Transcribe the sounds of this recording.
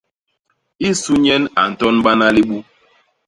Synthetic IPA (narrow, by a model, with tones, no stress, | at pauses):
i˦su˦ɲɛ˦na˨n̩˨tɔ˦nɓa˦na˦li˦ɓu˦